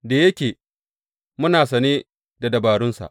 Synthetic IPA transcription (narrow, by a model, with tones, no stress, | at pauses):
da˨jɐ˦kʲeː˨ | mʊ˦naː˨sɐ˨neː˦ | da˨dɐ˨baː˨ɽʊ˦nsa̰˨ʔ